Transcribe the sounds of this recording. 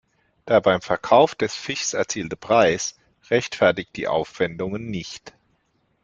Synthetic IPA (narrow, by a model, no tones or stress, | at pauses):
d̥aːɐbaɪmfɛɐkʰaʊfd̥ɛsfɪʃsɛɐt͡siːltəpʁ̥aɪs | ʁɛçtfɛɐtɪk̚d̥ḭːʔa̰ʊfv̥ɛndʊŋənːɪçt